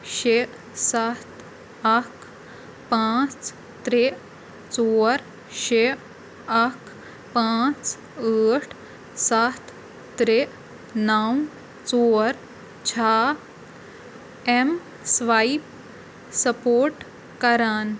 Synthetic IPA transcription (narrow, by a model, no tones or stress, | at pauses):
ɕeʔ | sat̪ | ɐkʰ | pãt͡s | t̪ɾeʔ | t͡soɾ | ɕeʔ | ɐkʰ | pãt͡s | əʈʰ | sat̪ʰ | tɾeʔ | naw | t͡soːɾ | t͡ɕʰa | em | sʋaip | səpoːɾʈ | kəɾaːn